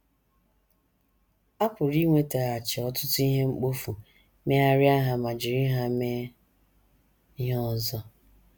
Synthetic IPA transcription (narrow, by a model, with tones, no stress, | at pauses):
a˦pʊ˨ɾi˦ŋʷe˦ta˨ɣa˨t͡ʃɪ˨ɔ˦tʊ˦tʊ˦i˦ɦe˦ŋ͡m̩˦k͡po˦fu˨ | me˦a˦ɾɪ˦a˦ɦa˨ma˨d͡ʒɪ˨ɾi˦ɦa˦me˦ | ɦɔ˦˨zɔ˦